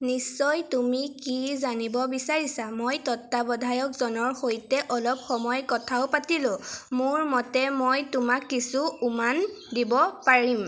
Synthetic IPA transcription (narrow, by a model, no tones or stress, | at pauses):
nisːɔjtumikizanibɔbisaɹisamojtɔtːabɔdʱajɔkzɔnɔɹxojtɛʔɔlɔp̚xɔmɔjkɔtʰaʊpatilʊ̃mʊɹmɔtɛmojtʊmakːisuuman | dibɔpaɹim